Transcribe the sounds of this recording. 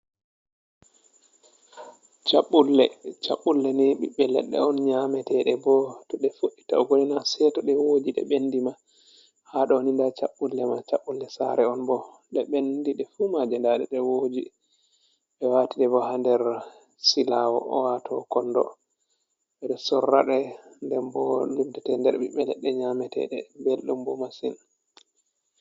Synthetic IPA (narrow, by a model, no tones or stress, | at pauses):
t͡ʃaɓːulːɛt͡ʃa̰ɓːulːɛniɓiɓːɛlɛ̰ɗːɛ̰ɔnɲamɛtɛɗɛbɔtɔɗɛfoʔːitaɔɡoninasɛtɔɗɛwod͡ʒiɗɛ̰ɓendima | haɗɔonindat͡ʃaɓːulːɛmat͡ʃaɓːulːɛsa̰ɾɛɔnbɔ | ɗɛɓendiɗɛfumad͡ʒɛndaɗɛɗɛwod͡ʒi | ɓɛwatiɗɛbɔhandɛɾ | silawɔ̰ʔɔwatʰɔkɔnːdɔ̰ | ɓɛɗɛsɔrːa̰ɗɛndɛmbɔlundɛtɛndɛɾɓiɓɛlɛɗɛɲamɛtɛ̰ɗɛbelɗumbɔmasin